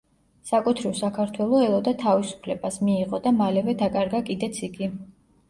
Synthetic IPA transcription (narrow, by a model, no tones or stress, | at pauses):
sakʼut̪ʰɾiɔsakʰaɾt̪ʰwɛlˠɔɛlˠɔd̪at̪ʰavisu̥pʰlɛbasmiːʁɔd̪amalɛvɛd̪akʼaɾɡakʼid̪ɛt̪sʰiɡi